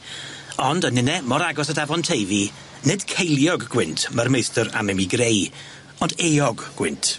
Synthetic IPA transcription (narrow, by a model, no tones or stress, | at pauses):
ɔndənɪnɛmɔɾaɡɔsədavɔntʰejvi | nɪd̥kʰejlˠjɔɡːwɪntʰmərmejstəɾa̰mɛmiɡrej | ɔndejɔɡɡ̥wɪntʰ